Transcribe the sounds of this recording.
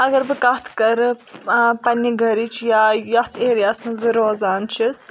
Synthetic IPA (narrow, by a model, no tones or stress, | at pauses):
ɐɡɐɾbɨkɐht̪ʰkɐɾ | pɐnːiɡʱɐɾit͡ʃʰjaːjɐht̪ʰeːɾijaːsmɐzbɨɾoːzaːnt͡ʃʰis